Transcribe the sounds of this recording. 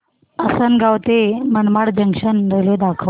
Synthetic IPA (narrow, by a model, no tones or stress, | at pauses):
əsənɡawt̪emənmaɽd͡ʑəŋʂənd̪ʱəljod̪akʰə